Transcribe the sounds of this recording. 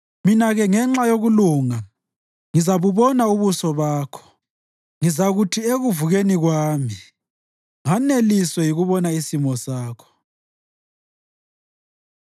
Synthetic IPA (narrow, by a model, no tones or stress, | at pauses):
minaɣɛŋɛŋ͡ǁajoɣuluːŋa | ŋizaβuβɔnauβusɔβaːkʰɔ̥ | ŋizaɣutʰieɣuvuɣeniɣwaːmi | ŋaneliswɛjiɣuβɔnaisimɔsaːkʰɔ̥